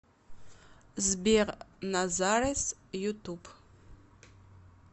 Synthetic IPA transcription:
zbiʁnazarisjutʰuːpʰ

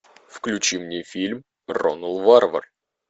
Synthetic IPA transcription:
fklʲʉt͡ɕimnʲefʲilʲm | ro̰nəlˠvarvə̰r

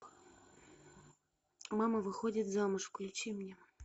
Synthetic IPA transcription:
mamɐvɨxodʲit̪zamɨʂkʊlʲɪt͡ɕimnʲɛ

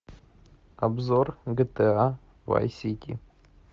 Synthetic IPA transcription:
abzorɡət̪əa | va̰jsʲit̪ʲḭ

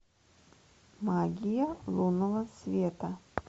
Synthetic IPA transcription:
mɑːɡʲɪjɛlˠuːnoʋɐsʲʋʲiɛt̪ɑ

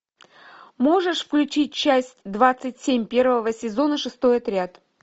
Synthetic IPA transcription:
mo̞ʐɨʂfklʲʉt͡ɕit̚ʲt͡ɕæsʲtʲd̪vat̪sɨtʲsʲemʲpʲe̞rvəvəsʲɪzo̞nəʂɨst̪o̞jɐt̪ɾʲɪat̪

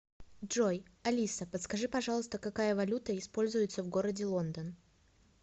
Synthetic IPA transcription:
dʐojɐlʲisəpət̪skɐʐɨpɐʐɑlˠəst̪əkɐkajəvɐlʲut̪əɪspo̞lʲzʊjɪt̪səvɡo̞ɾədʲɪlˠo̞nd̪ən

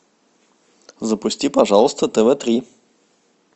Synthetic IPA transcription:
zɐpusʲt̪ʲipaʒalˠost̪ət̪ɛvɛt̪ɾi

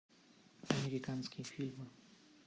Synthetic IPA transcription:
ameɾikanskifilm

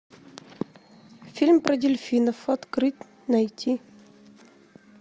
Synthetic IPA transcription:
fʲilʲmpɾɐdʲɪlʲfʲinəfɐt̪kɾɨtʲ | nɐjtʲi

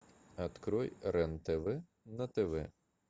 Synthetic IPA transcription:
ɐt̪kɾɔjɾɛnt̪eʋɪ | nɐt̪eʋɪ̰

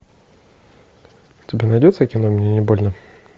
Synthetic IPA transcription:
tʲɪbʲenɐjdʲot̪səkʲɪnomʲnʲenʲɪbo̞lʲnə

